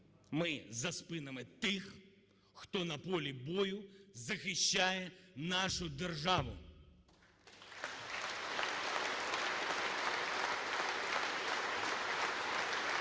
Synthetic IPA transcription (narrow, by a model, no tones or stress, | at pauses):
mɪzɐspɪnemɪt̪ɪx | xt̪ɔnɐpɔlʲibɔjʊzɐxɪʃʲt͡ʃːajɛnɑʃʊd̪erʒɑʋʊ̰